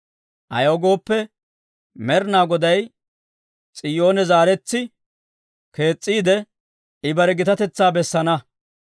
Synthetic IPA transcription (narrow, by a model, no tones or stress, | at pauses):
ʔɐ̰joɡo̞ːpːɛ | mɛɾnaːɡɔd̪ɐj | t͡sʼɪjo̞ːnɛzaːɾɛt͡sːɪ | ke̞ːt͡sʼːiːd̪ɛ | ɪbɐɾɛɡɪt̪ɐt̪ɛt͡sːaːbɛsːɐnɐ